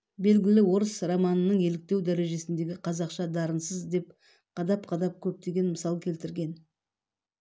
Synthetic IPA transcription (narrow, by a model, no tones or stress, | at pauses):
be̞lɡʲɪlɪwo̞ɾəsrɑmɑnənəɴe̞lɪk̚t̪e̞wd̪æɾe̞ʒe̞sɪnd̪e̞ɡʲɪqʰɑzɑqʃɑd̪ɑɾənsəzd̪e̞p̚ | qʰɑd̪ɑpqʰɑd̪ɑp̚kʲʰɵp̚t̪e̞ɡʲe̞nməsɑlˠkʲʰe̞lt̪ɪɾɡʲe̞n